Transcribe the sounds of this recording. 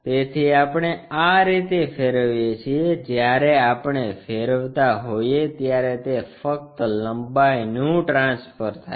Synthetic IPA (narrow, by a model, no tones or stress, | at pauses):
t̪et̪ʰiapɽ̃eaɾit̪efeɾəʋijet͡ʃʰied͡ʒjaɾeapɳ̃efeɾəʋt̪aɦojet̪jaɾet̪efək̚t̪ləmbajnũʈɾãnsfəɾt̪ʰa